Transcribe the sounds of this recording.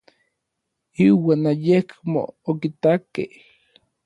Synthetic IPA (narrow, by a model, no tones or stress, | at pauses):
iwaːnajekmo̰okit̪akḛh